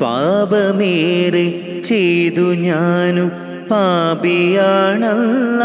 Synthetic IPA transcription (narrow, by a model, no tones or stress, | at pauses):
paːbɐmeːɾe | t͡ɕejt̪uɲaːnu | paːbijaːɳɐlːɐ